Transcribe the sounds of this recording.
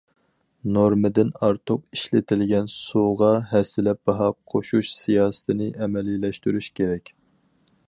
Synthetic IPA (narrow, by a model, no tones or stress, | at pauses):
noɾmɨd̪ɪnɑɾt̪ʰʊqiʃlɪt̪ʰɪlɡʲɛnsuʁɑɦɛsːɪlɛp̚bɑɦɑqʰoʃuʃsijɑːsɨ̥t̪ʰɪnɪʔɛmɛlilɛʃt̪yɾyʃkʲeɾɛkʲ